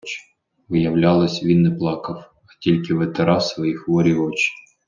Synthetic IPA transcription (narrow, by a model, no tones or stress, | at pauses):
t͡ʃ | ʋɪjɐwlʲɑlˠɪsʲʋʲinːɛplˠɑkɐw | ɐtʲilʲkɪʋet̪eɾɑsʋɔjixʋɔɾʲiɔt͡ʃɪ̥